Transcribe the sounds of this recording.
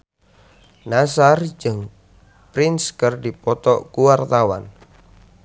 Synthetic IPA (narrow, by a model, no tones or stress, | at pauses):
nasard͡ʒəŋ | pɾɪnskərdipɔt̪ɔʔkuwart̪awa̰n